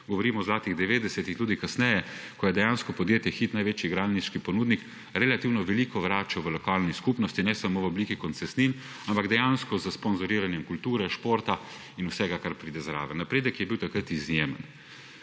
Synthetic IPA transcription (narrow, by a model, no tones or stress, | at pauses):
ɡɔʋɔɾiːmɔzlaːt̪iɣd̪ɛʋeːd̪ɛsɛt̪ixt̪uːd̪ikasnɛjɛkɔjɛd̪ɛjaːnskɔpɔd̪jeːt̪jɛxiːt̪najʋeːt͡ʃjiɡɾaːlniʃkipɔnuːd̪nik | ɾɛlat̪iwnɔʋɛliːkɔʋɾaːt͡ʃɔʋəlɔkaːlniskupnɔst̪inɛsamoʋɔbliːkikɔnt̪sɛst̪nin | ampaɡd̪ɛjanskɔzəspɔnzɔɾiːɾanjɛmkult̪uːɾɛʃpoːɾt̪a | inusɛɡakaɾpɾiːd̪ɛzɾa̰ːʋɛnapɾeːd̪əkjɛbiwt̪akɾət̪izjeːmə̰n